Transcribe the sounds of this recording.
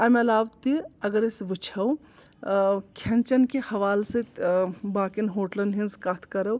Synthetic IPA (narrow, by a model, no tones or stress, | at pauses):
ɐmɐlaːʋt̪iɐɡɐɾesʋɨt͡ʃʰɐw | kʰɐnt͡ʃɐnkehɐʋaːlsɨt̪baːkinɦoːʈlɐnɦinzkat̪ʰkɐɾɐw